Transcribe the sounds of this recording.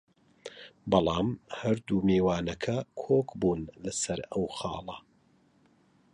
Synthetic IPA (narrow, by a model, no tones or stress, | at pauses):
bɑlˠɑːmhɐɾd̪umeːwaːnɐkʰɐkʰoːkbuːnlɐsɐɾɐwxɑ̰ːlˠɐ